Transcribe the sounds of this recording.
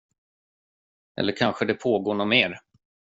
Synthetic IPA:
ʔɛ̰lːəɾkʰanɧəd̪ɛpʰoːɡoːɳʊmeːɾ

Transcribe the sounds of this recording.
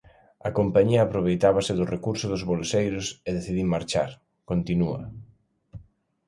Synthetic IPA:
ɐkompaɲiɐːpɾoβ̞ejt̪aβɐsɪðʊrekuɾsʊðʊzβolsejɾʊseðeθiðimaɾt͡ʃa̰ɾ | kont̪inuɐ̰

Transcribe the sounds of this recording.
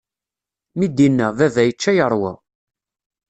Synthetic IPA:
mid̪inːævævæjət͡ʃːæjəɾˤwæ

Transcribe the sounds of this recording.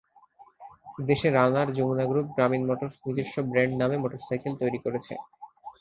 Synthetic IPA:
d̪eʃeɾanaɾd͡ʑomunaɡɾup̚ɡɾaminmɔʈoɾnid͡ʑeʃʈobɾɛɳɖnamemoʈoɾsajkelt̪ojɾikoɾet͡ɕʰḛ

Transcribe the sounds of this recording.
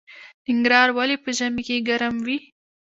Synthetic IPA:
nɪŋɡɾɑɾwalepəʒamikeɡaɾamwi

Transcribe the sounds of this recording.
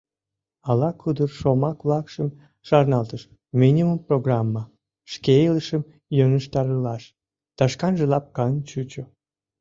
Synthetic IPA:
ɑlɑkʰud̪ərʃomɑkβlɑkʃəm | ʃɑrnɑlt̪əʃ | mʲinʲimumproɣrɑmːɑ | ʃkeləʃəm | joŋəʃt̪ɑɾəlɑʃ | t̪ɑʃkɑnʒəlɑp̚kɑnʲt͡ɕut͡ɕo

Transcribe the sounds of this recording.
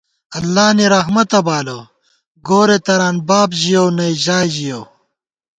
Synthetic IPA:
ɐlːaːniɾɐɦmɐt̪ɐbaːlo | ɡoːɾet̪ɐɾaːnbaːbʑijownɐjʑaːjʑijow

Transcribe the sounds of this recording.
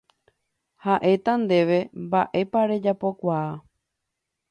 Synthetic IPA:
haʔe̞t̪and̪e̞ʋe̞mbaʔe̞paɾe̞d͡ʒapo̞kʷaː

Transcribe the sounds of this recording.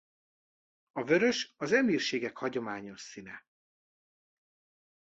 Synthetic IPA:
ɒvøɾø̞ʃɒzɛmiːrʃeːɡɛkhɒɟo̞maːɲo̞ʃsinɛ

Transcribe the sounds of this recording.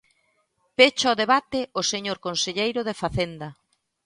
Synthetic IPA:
pet͡ʃaoðeβat̪ɪoseɲoɾkonseʎejɾʊðefaθend̪ɐ

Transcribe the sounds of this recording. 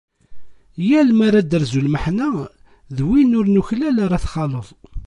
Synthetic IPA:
jælmaɾˤad̪əɾzulməħnæ | ðwinʊɾnuçlælaɾˤɑθχɑləðˤ

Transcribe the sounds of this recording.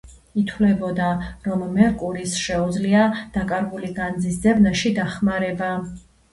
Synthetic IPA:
it̪ʰwlɛbɔd̪aɾɔmːɛɾkʼuɾisʃɛud̪zliad̪̥akʼaɾɡuliɡand̪zisd̪zɛbnaʃid̪aχmaɾɛba

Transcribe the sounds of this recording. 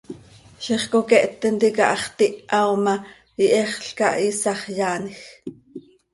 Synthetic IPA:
ʃiχkokɛʔt̪ːɛnt̪ikɑ̰ʔɑχt̪iʔawmɑ | iʔɛχɬkɑʔisɑχjaːnix

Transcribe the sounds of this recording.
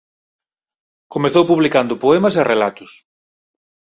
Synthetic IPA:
komeθowpuβlikand̪ʊpoɛmɐs̬erelat̪ʊs

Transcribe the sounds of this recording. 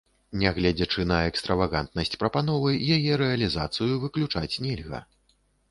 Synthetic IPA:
nʲɛɣlʲɛd͡zʲɐt͡ʂɨnɐɛkst̪ɾɐvaɣant̪̚nɐsʲt͡sʲpɾɐpanɔvɨjajɛɾɛɐlʲizat̪sɨjuvɨklʲut͡ʂat͡sʲnʲɛlʲɣɐ̰

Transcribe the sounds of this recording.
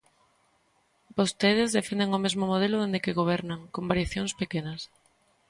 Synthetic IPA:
bost̪eð̞ɪzðefend̪eŋomezmomoð̞elʊðend̪ekeɣoβ̞ɛɾnɐŋkombaɾjaθjoŋspekenɐs

